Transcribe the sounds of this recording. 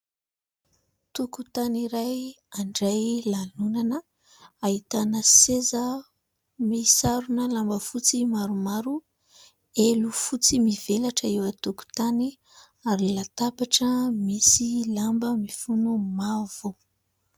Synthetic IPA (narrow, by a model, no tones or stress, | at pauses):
t̪ukut̪aniɾaj | aɳɖ͡ʐajlalunanə | ait̪anəsezə | misaɾunəlambəfut͡simaɾumaɾu | elufut͡simivelaʈ͡ʂəewət̪uku̥t̪ani | aɾilat̪apaʈ͡ʂəmisilambəmifunumavo